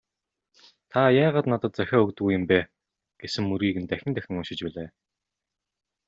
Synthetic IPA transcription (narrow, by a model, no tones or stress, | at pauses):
t̪ʰajaːʁaːt̪nat̪ə̆t̪̚t͡sœxʲɔːɵkt̪̆ɣujə̆mpæː | ɡ̥esɘ̆ŋːɵɾɣiːɣɘ̆nt̪æxʲɪ̆nt̪æxʲɪ̆ŋʊʃɪ̆t͡ɕpæːɮeː